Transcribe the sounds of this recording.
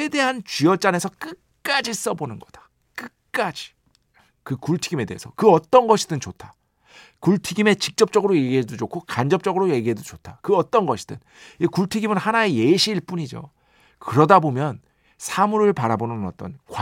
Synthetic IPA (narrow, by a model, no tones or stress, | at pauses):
ede̞ɦant͡ɕiʌt͡ɕ͈ane̞sʰʌk͈ɯk | k͈ad͡ʑis͈ʌbonɯnɡʌd̥ḁ | k͈ɯk͈ad͡ʑi̥ | kɯkuɭtʰiɡime̞de̞ɦḛsʰʌkɯʌt͈ʌnɡʌɕʰidɯnt͡ɕotʰḁ | kuɭtʰiɡime̞t͡ɕik̚t͡ɕ͈ʌp̚t͡ɕ͈ʌɡɯɾoje̞ɡiɦe̞dod͡ʑokʰokand͡ʑʌp̚t͡ɕ͈ʌɡɯɾoje̞ɡiɦedot͡ɕotʰakɯʌt͈ʌnɡʌɕʰi̥d̥ɯ̰n | ikuɭtʰiɡimɯnhanae̞jeɕʰiːɭp͈uɲid͡ʑo̰ | kɯɾʌdabomjʌn | sʰamuɾɯɭpaɾabonɯnʌ̰t͈ʌnkwa